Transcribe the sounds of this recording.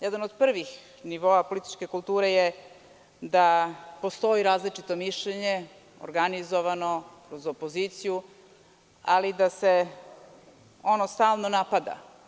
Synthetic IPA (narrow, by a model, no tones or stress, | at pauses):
jed̪anod̪pr̩ʋix | niʋo̞ːapo̞lit̪i̥t͡ʃke̞kulˠt̪uːɾeje | d̪apo̞st̪o̞iɾaːzlit͡ʂit̪o̞miʃʎeɲe | o̰ɾɡanizo̞ʋano̞kɾozopoziːt̪siju | alid̪ase | o̞nost̪aːlˠnonapad̪a̰